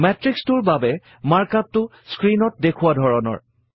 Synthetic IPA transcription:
mɛtɹikstʊɹbabɛ | maɹkap̚tʊ | skɹinɔt̚dekʰʊwadʱɔɹɔnɔ̰ɹ

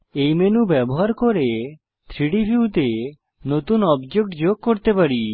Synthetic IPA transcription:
ejmenubɛboɦaɾkoɾe | t̪ʰɾiɽibʰʱiut̪e | not̪unɔbd͡ʒokʈd͡ʑoɡ̚koɾt̪epaɾi

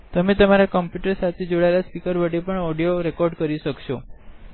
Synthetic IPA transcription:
t̪əmet̪əmaɾakəmpjuʈəɾsat̪ʰed͡ʒoɭaelaspikəɾʋəɽipəɳɔɽijoɾekɔɾɖkəɾiʃəkʃo

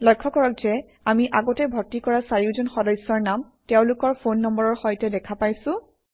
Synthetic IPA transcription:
lɔjkʰːɔkɔɹɔk̚z̥ɛ | amiʔaɡɔtɛbʱɔtːikɔɹasaɹiʊzɔnxɔdɔjsːɔɹnam | teʊ̃lʊkɔɹpʰonːɔmbɔɹɔɹxɔjtɛdɛkʰapajsʊ̃

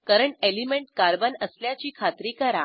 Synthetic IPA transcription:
kəɾəɳelimeɳʈ̚kaɾbənəsljat͡ɕiːkʰat̪ɾiːkəɾa

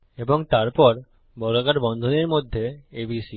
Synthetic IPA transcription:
eboŋt̪aɾpɔɾ | bɔlakaʈbɔnd̪ʱoneɾmod̪ʱːeebisi

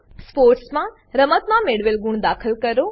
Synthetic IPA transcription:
spoːɾʈsmã | ɾəmət̪mãmeːɽʋelɡʊɳ̃d̪aːkʰəlkɐɾoː

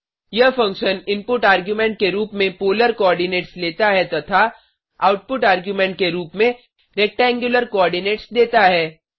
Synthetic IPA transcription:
jɐɦfɐ̃ŋkʃənɪ̃mpʊʈaːɾɡjumɛ̃ɳʈ̚keɾuːpmẽpoːləɾkɔːɾɖɪneːʈsleːt̪aɦɛt̪ɐt̪ʰa | aːʊʈ̚pʊʈaːɾɡjumɛ̃ɳʈ̚keɾuːpmẽ | ɾeːk̚ʈɛ̃ːŋɡjʊləɾkɔːɾɖɪneːʈsd̪eːt̪aɦɛː

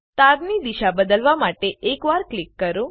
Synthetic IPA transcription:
t̪aɾnid̪iʃabəd̪əlʋamaʈeekʋaɾklikːəɾũ

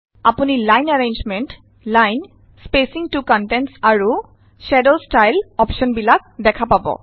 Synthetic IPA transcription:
apunilajnaɹend͡ʒmɛnt | lajn | spesiŋtukɔntɛntsaɹu | ʃɛdolstajlɔpʃɔnbilak̚dɛkʰapabɔ̰

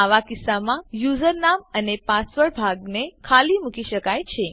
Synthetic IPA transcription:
aʋakisːamãjuzəɾnamənepasʋəɭbʱaɡnekʰalimukiʃəkajt͡ɕʰe

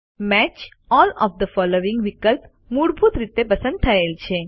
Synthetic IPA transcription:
mæt͡ʃ | ɔːlɔ̰ːʋd̪əfɔloʋĩŋɡʋikəlp | muɽbʱut̪ɾɪt̪epəsə̃nd̪̚t̪ʰɐelt͡ʃʰe

